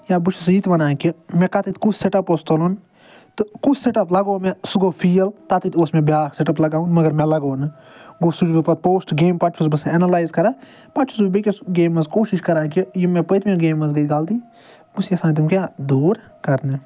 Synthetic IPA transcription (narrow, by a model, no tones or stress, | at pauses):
jaːbut͡ʃʰusiːt̪bɐnaːkimẽkɐt̪it̪kut͡ʃseʈɐpost̪olun | t̪ɨkut͡ʃseʈɐplɐɡoːmẽsuɡoːpʰiːɐlt̪at̪it̪ʰoːsmẽbjaːkseʈɐplɐɡaːũnmɐɡɐɾmẽlɐɡoːnɨ | ɡoːsud͡ʒbipɐt̪̚poːsʈɡeːmpɐt͡ʃʰusbɐsɛnɐlaːjzkɐɾaː | pɐt͡ʃʰusbbekʲisɡeːmɐskoːʃiʃkɐɾaːkijimẽpət̪mẽɡeːmɐzɡɐiɡaːlt̪iː | busiɐsaːnt̪imkʲjaːd̪uːɾ | kɐɾne